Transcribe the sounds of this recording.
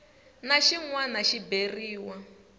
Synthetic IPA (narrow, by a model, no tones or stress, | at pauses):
naʃiŋwanaʃiberiːwa